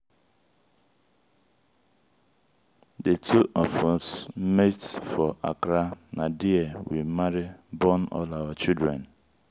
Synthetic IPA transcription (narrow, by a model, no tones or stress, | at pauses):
detʰuʔɔfɔsmetfɔʔa̰kɾanadiewimaɾibɔnɔ̰laʊwat͡ʃildɹɛ̃n